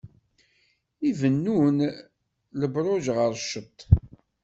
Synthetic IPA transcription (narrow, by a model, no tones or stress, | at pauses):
ivənːun | ləbɾˤoʒʁəɾˤʃət̪ˤː